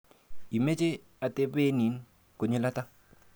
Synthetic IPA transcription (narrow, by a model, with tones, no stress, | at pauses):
i˨me˦t͡ʃe˦ | a˨te˦be˦ni˨˦n | ko˨ɲu˦la˦ta˦